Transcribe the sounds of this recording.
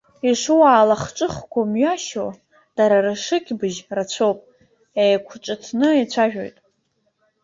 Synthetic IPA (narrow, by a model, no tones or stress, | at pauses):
iʂuwaːlaχt͡ʃʼɨχkʷʰamɥaʃo | d̥aɾaɾɨʂɨkʲʰʼbɨʒrat͡ɕʷʰowpʼ | ejakʷʰʈ͡ʂʷʼɨtʰnɨit͡ɕʷʰaʒᶣo̞̰jtʼ